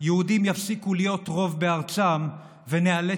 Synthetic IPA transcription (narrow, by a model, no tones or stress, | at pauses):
jeudimjafsikulijo̞tʁo̞vbe̞aʁt͡sam | veneale